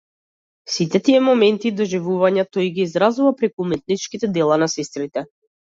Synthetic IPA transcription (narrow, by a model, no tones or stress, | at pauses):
sit̪ɛt̪iɛmɔmɛnt̪id̪ɔʒivuvaɲat̪ɔjɡiːzɾazuvapɾɛkuːmɛt̪̚nit͡ʃkit̪ɛd̪ɛlˠanasɛst̪ɾit̪ɛ